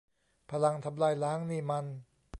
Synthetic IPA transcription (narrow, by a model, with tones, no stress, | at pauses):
pʰa˧la˧ŋt̪ʰa˧mlaː˧jlaː˦˥ŋniː˧˩ma˧n